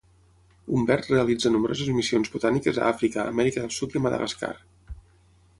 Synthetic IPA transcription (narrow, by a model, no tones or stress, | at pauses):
umbɛrt̪reəlid͡zənumbɾozəzmisionzβut̪anikəzə̰afɾikəə̰mɛɾikəðəlˠsut̪iəməðə̰ɣə̰ska̰r